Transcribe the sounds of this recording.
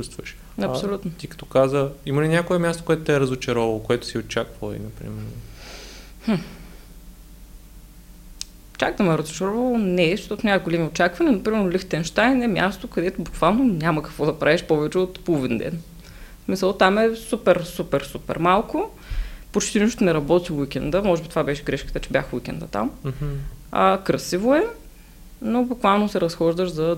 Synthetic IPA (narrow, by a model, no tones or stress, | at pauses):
t͡ʃust̪vəʃ | ɐpssolʲut̪not̪ikɐ̥t̪ɔ̥kazəimɐlinʲjakoɛmʲjast̪o̥koɛt̪ʊt̪ɛɾɐzot͡ʃɐɾɔvɐlˠokoɛt̪ʊ̥siot͡ʃakvəlˠḭnɐpɾḭmɛɾno | hm̩ | t͡ʃakt̪əmɛɾəzʊt͡ʃɐɾɔvɐlˠonɛʃt̪ɔt̪onʲamət̪̚ɡolʲɛmiott͡ʃakvɐnʲiɐnopɾimɛɾnolʲixt̪ɛnʃt̪ajnɛmʲja̰st̪okɐd̪ɛt̪ʊbʊkvalˠnonʲamɐkɐ̥kvɔd̪ɐpɾʔaɛʃpɔvɛt͡ʃɛot̪polˠvind̪ɛ̰n | smisəlˠt̪amɛsupɛɾsupɛɾsupɛ̰ɾmalˠkʊ | pot͡ʃt̪iniʃt̪onɛɾɐbɔt̪iwikʲɛnd̪əmɔʒɛbit̪o̥vabɛʃɛɡɾɛʃkət̪ət͡ʃɛbʲja̰xwikʲɛ̰nd̪ə̰t̪a̰m | əkɾɐsivoɛ | nobʊkvalˠnosɛɾɐsxɔʒd̪əʃzɐ